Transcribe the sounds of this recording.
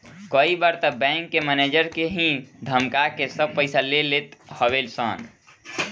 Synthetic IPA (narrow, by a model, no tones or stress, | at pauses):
kəibaɾt̪əbɛ̃ŋkːemɛned͡ʒəɾkeɦĩd̪ʱəmkakesəb̚pəɪsalelet̪həβelsə̰n